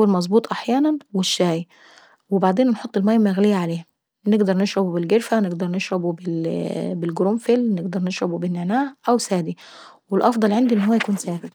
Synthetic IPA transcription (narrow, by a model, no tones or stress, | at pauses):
ælmɑzˤbuːt̪ˤʔaħjæːnænweʃːæːj | webaʕd̪eːnːħot̪ˤːelmæːjːmæɣlejːaʕaleː | neɡd̪ɑɾˤneʃɾobubelɡeɾfænɪɡd̪ɑɾˤneʃɾobubebelɡɾomfelneɡd̪ɑɾˤneʃɾobubɪnːeʕnæːhʔæwsæːd̪i | welʔɑfd̪ˤɑlʕend̪iʔenːɦowːæjækuːnsæːbɪd̪